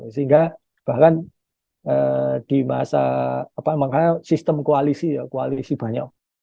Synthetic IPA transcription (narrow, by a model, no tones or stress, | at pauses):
səiŋɡa | b̥ahkan | əd̥i̤ma̰sa̰ːpamaŋkarnasist̪əmkoalisijakoalisib̥a̤ɲa̰ʔ̚